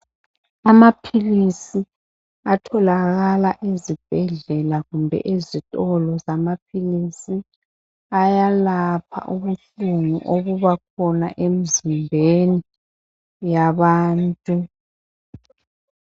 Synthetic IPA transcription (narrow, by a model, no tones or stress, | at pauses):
amapʰilisi | atʰɔlaɣalaʔezib̥ʱɛɮɛlaɣumbʱɛ̰ʔezitʼɔlɔzamapʰilisi | ajalapʰa̰ʔuβuɬuŋṵʔoɣuβak̚ʰɔna̰ʔemizimbʱeni | jaβaːntʼu